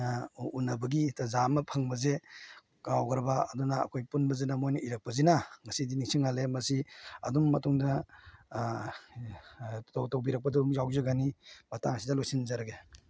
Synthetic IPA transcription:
unɐbɐɡitazamɐpʰɐŋbɐze | kawɡɾɐbaɐduna̰ːkʰojpunbɐzenamojnʔiɾɐk̚pɐzinaŋɐsidiniŋsiŋalemɐsiɐ̰dumːɐtuŋdɐ | towtowbiɾɐk̚pɐdɐumzawzaɡanibatʰaŋɐsidɐlojsinzaɾaɡe

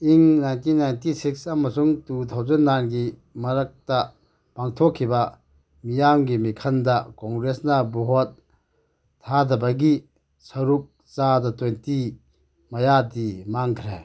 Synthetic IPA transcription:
iŋnajntinːajntisik̚sɐmːɐsuŋtutʰɐwzenːanɡimɐɾɐk̚tɐ | paŋtʰokʰːibɐ | mijamɡimikʰɐndɐkoŋɡɾesnɐbuɦot̚ʰː | adʱɐbɐɡi | sɐɾup̚ | t͡ʃadɐtejnti | mɐjadimaŋkʰɾe

